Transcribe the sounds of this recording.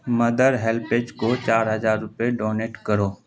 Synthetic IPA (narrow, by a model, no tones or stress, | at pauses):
mɐd̪əɾɦɛlpeːt͡ʃkot͡ʃaːɾɦɐzaːɾːʊpeɖɔːneːʈkəɾoː